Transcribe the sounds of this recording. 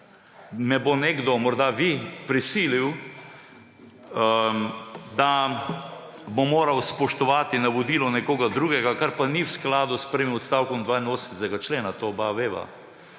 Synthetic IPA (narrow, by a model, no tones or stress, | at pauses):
mɛboneɡd̪ɔmɔɾd̪aʋipɾisiːliw | d̪a | bomoːɾawspɔʃt̪ɔʋaːt̪inaʋod̪iːlɔnɛkoːɡad̪ɾuːɡɛɡakaɾpaniwsklaːd̪ʊspɾəʋimɔt̪st̪aːwkɔmd̪ʋaːinoːst̪ɛɡat͡ʃleːnat̪obaʋeːʋa̰